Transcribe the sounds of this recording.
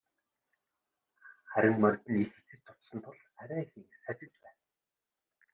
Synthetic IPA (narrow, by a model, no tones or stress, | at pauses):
χæɾʲɪ̆ŋmœrʲt̪ɘ̆nixet͡sɘ̆t̪ʰːʊ̥t̪sɞ̆nt̪ʰʊɮ | æɾʲæːxiŋsæt͡ɕɪ̆t͡ɕpæːn